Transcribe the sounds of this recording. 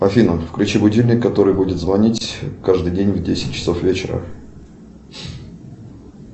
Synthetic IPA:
pɐfʲinəmfkɾʲʊt͡ɕɪbʊdʲilʲnʲɪkːɐt̪o̞ɾɨjbudʲɪt̪zvɐnʲitʲkaʐd̪ɨjdʲenʲvdʲesʲɪtʲt͡ɕːɪ̥so̞fvʲet͡ɕɪɾə̰

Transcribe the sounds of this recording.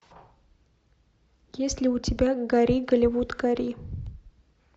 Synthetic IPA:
ɡʲeslʲiut͡sʲibʲaɡaɾiɡəlʲevut̪ɡaɾi

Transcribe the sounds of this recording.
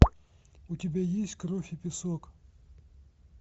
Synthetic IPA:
utʲibʲajesʲtʲkɾofʲipʲɪsok

